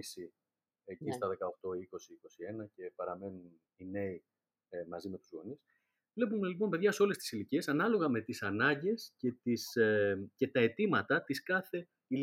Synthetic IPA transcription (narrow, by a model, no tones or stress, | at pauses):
si | ecist̪ɐðe̞kɐo̞xt̪o̞iko̞siiko̞sie̞nɐce̞pɐɾɐme̞nunn | ine̞i | mɐzime̞t̪uzɣo̞̰nis | vle̞pume̞lip̬o̞npe̞ðʝɐso̞le̞st̪isilicie̞sɐnɐlo̞ɣɐme̞t̪isɐnɐɲɟe̞sce̞t̪isce̞t̪ɐe̞t̪imɐt̪ɐt̪iskɐθe̞ | i